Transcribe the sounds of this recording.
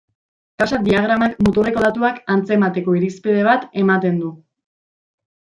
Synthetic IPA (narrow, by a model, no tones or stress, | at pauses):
kasad̪iaɣ̞ɾamakmut̪oreko̞ð̞at̪uakant͡se̞mat̪e̞ko̞iɾispið̞e̞β̞at̪e̞mat̪e̞nd̪u